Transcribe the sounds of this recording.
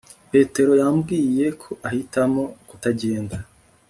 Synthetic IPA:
pe̞ːte̞ɾo̞jambɡiːje̞kʰo̞ʔahitamo̞kutaɟe̞ːnda

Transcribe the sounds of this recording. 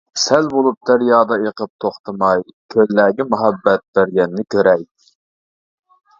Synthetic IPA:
sɛlbolˠup̚d̪æɾjɑːd̪ɑjəqʰəp̚t̪ʰoχt̪ʰɨmɑjkʲʰølːæːɡʲɛmuɦɛbːɛt̪̚b̥æɾɡʲɛnːɪkʲøɾɛj

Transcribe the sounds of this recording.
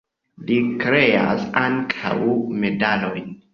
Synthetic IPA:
likɾe̞a̰saŋkʰa̰wme̞dalojn

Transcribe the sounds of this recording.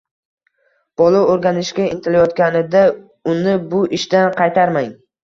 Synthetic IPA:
b̥ɒlˠooɾɡʲanɪʃkʲaɪnt̪ʰɪlajɒt̪̚kʲanɪd̪a | ʊnɪbʊʔɪʃd̪anqʰɑjt̪ʰaɾmaŋ

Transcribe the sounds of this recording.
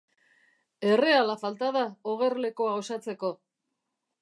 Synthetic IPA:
e̞re̞alafalt̪aðaoɣ̞e̞ɾle̞ko̞ao̞sat͡se̞ko̞

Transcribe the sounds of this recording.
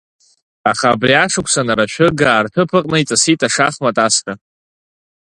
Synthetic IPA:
aχaːbriaʂɨkʷʰʼsanaɾaʃᶣʊɡaːrtʰɨpʰɨqʼnait͡sʼasitʼaʂaχmatʼaska

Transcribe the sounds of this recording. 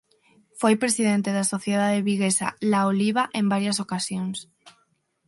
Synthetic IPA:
fojpɾesiðent̪eðasoθjeðaðeβiɣesa̰laoliβaʔembaɾjasokasjoŋs

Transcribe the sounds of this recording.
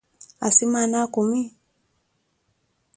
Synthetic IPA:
a̰simanakumi

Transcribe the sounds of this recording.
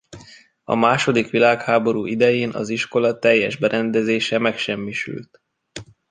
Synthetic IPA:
ɒ̰maːʃo̞d̪ikʋilaːkhaːbo̞ɾuːʔid̪ɛjeːnʔɒ̰ziʃko̞lɒt̪ɛjːɛʒbɛɾʔɛnd̪ɛzeːʃɛmɛkʃɛmːiʃy̰lt̪

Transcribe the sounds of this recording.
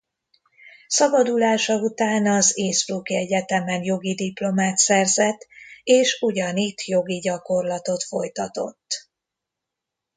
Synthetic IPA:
sɒbɒd̪ulaːʃɒut̪aːnɒzeːsɾuːkiɛɟɛt̪ɛmɛnjo̞ɡid̪iplo̞maːt̪sɛrzɛt̪ːeːʃuɟɒnit̪jo̞ɡiɟɒko̞rlɒt̪o̞t̪fo̞jt̪ɒt̪o̰t̪ː

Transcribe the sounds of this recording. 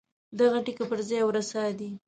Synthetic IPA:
d̪aɣaʈikapəɾzɑjwɾasad̪i

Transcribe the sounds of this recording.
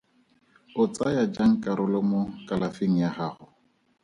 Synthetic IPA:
ʊt͡sʼajad͡ʒaŋ̩kʼaɾʊlɔmʊkʼalafeŋ̩jaχaːχʊ

